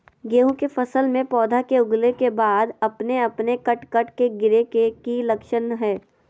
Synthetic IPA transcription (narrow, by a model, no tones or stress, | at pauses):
ɡeːɦũkefɐsəlmẽpɔːd̪ʱakeʊɡlekebaːd̪ɐpneɐpnekɐʈkɐʈkeɡɪɾekekilɐkʃənɦɛː